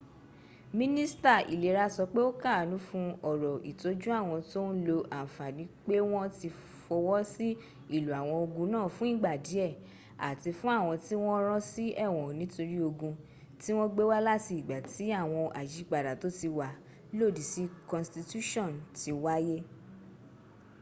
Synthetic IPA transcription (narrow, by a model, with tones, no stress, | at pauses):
mĩ˦nĩ˦sta˦˨ḭ˨le˨ɾa˧˦sɔ˧k͡pe˦o˦ka˦˨nũ˨˦fũ˦ɔ˨ɾɔ˨i˨to˨˦d͡ʒũ˦a˦˨w̃ɔ̃˧to˦n˦lo˧ʔa˨fa˨nĩ˨˦k͡pe˦w̃ɔ̃˦ti˧ | fɔ˧wɔ˦si˦ | i˦˨lu˨a˨w̃ɔ̃˧o˧ɡũ˧nãː˦˨fũ˨˦i˦ɡ͡ba˨di˨˦ɛ˦˨ | a̰˨ti˧fũ˦a˦˨w̃ɔ̃˧ti˦w̃ɔ̃˦ɾ̃ɔ̃˦si˦ʔɛ˦˨w̃ɔ̃˨nĩ˨˦to˧ɾi˦o˧ɡũ˧ | ti˦w̃ɔ̃˦ɡ͡be˦wa˦la˦ti˧i˨ɡ͡ba˨ti˨˦a˦˨w̃ɔ̃˧ʔa˨ʃi˨˦k͡pa˨da˨to˨˦ti˧wa˨˦ | lo˦˨di˨si˦kɔ̃˨nsti˧tu˦ʃɔ̃˦˨nti˨˧wa˦je˦